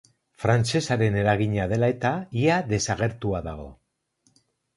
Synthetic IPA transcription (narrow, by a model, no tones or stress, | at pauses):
fɾant͡se̞saɾe̞ne̞ɾaɣ̞iɲaðe̞lae̞t̪aiaðe̞saɣ̞e̞ɾt̪uaðaɣ̞o̞